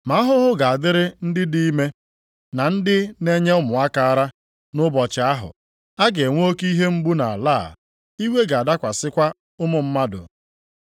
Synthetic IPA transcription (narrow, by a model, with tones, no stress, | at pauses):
ma˨a˦ɦʊ˦ɦʊ˦ɡa˨a˨dɪ˦ɾɪ˦n̩˦dɪ˦di˦i˦me˦ | na˨n̩˦dɪ˦ne˦ɲe˦ʊ˦mʊ˨a˦ka˨a˦ɾa˦ | nʊ˦bɔ˨t͡ʃɪ˨a˦ɦʊ̰˨ | a˦ɡe˨ŋʷ˦o˦ki˦ɦe˦ŋ͡m̩˦ɡ͡bu˦na˨a̰˨laː˦˨ | i˦we˦ɡa˨a˨da˦kʷa˨sɪ˦kʷa˦ | ʊ˦mʊ˨m̩˦ma˦dʊ̰˨